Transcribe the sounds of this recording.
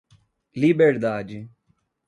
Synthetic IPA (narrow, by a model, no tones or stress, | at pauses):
libeɾd̪aːd͡ʒ